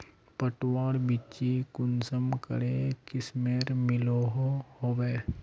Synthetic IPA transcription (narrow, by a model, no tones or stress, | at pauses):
pəʈwaːɽbit͡ʃikʊnsəmkə̰ɾekɪsmeːɾmɪloɦohoːweː